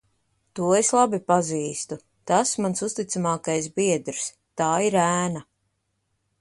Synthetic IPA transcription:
t̪uɔeslˠabipaziːst̪u | t̪asmansust̪it̪samaːkajsbiɛd̪ɾs | t̪aːiɾæːna

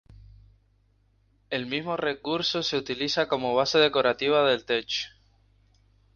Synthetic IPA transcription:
e̞lmizmo̞re̞kuɾso̞se̞ut̪iliθako̞mo̞β̞ase̞ð̞e̞ko̞ɾat̪iβ̞aðe̞lt̪e̞t͡ʃ

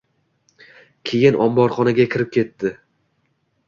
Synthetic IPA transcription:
kʲʰe̞jɪnʔɒmbɒɾχɒnaɡʲakʲʰɪɾɪp̚kʲe̞t̪ːɪ

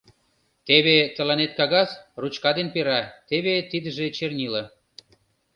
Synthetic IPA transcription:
t̪eβet̪ə̆lɑnet̪̚kɑɣɑsrut͡ɕkɑd̪enpeɾɑt̪eβet̪id̪ə̆ʒet͡ɕernʲilə

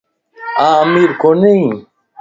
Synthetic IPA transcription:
aːɐmiːɾkoni

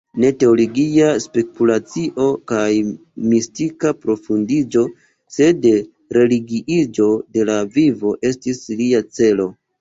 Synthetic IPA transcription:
ne̞te̞o̞loɡiaspe̞kulat͡siʔo̞kaj | mistikapɾo̞fundid͡ʒo̞ | se̞de | ɾe̞liɡiʔid͡ʒo̞de̞lavivo̞ʔe̞stisliat͡se̞lo̞

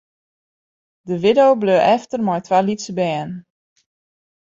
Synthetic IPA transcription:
dəʋɪdowbløːʔɛftərmɔjtʋalitsəbɛːən

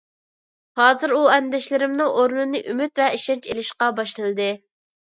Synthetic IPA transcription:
hɑːzɨɾuɛnd̪ɛʃlɪɾɪmnɨŋʔoɾnɨnɨʔymyt̪vɛiʃɛnt͡ʃelɪʃqɑbɑʃlˠɨnɨd̪ɨ

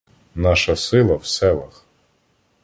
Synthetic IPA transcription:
nɑʃɐsɪlˠɐwsɛlˠɐx

